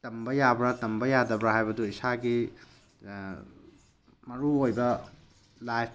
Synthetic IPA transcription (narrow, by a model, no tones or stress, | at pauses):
tɐmbɐjabɾatɐmbɐjadɐbɾaɦajbɐduisaɡi | mɐɾuojbɐ | lajp̚ʰ